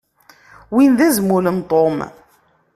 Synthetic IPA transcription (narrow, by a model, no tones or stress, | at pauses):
winðæzmulənt̪ˤom